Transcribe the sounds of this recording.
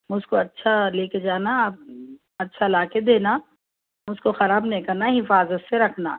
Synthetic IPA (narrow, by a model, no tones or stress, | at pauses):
mʊzkoɐtːʃʰaleːked͡ʒaːnap̚ | ɐtːʃʰalaːked̪eːna | mʊzkoxɐɾaːbnɐĩkɐɾnaɦɪfaːzət̪seɾɐkʰna̰ː